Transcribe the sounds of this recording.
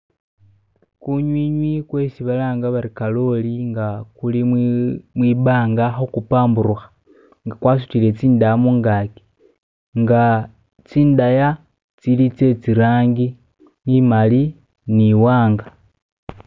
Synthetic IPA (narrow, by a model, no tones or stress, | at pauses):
kuɲwiːɲwikwe̞siβalaːŋɡaβaɾikalo̞liŋɡakuli | mwiːbaːŋɡaxokupaːmbuɾuxḁ | ŋɡakwaːs̬u̥tile̞t͡siːndajamuːŋɡaːki̥ | ŋɡa | t͡siːndaja | t͡silit͡se̞t͡siɾaːŋɡi | nimali | niwaːŋɡa